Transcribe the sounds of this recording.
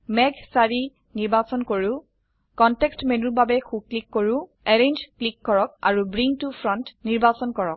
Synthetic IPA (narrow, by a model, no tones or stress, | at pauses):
mɛɡsaɹi | niɹbasɔnkoɹũ | kɔntɛkstmenubabɛxuklikːoɹũ | ɛɹend͡ʒklikːɔɹɔk̚a̰ɹubɹiŋtufʰɹɔntniɹbasɔnkɔɹɔk̚